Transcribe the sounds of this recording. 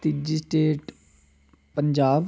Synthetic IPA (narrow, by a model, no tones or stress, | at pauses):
t̪id͡ʒiːsʈeːʈ | pəɲd͡ʒaːb